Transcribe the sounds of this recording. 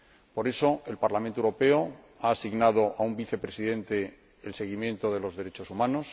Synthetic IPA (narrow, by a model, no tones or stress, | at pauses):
po̞ɾe̞so̞e̞lpaɾlamẽnt̪oewɾope̞o | aːsiɣnað̞o̞ʔaumbiθe̞pɾe̞siðẽ̞nt̪e̞ː | lse̞ɣ̞imjẽ̞nt̪o̞ðe̞lo̞zðe̞ɾe̞t͡ʃo̞sumãno̞s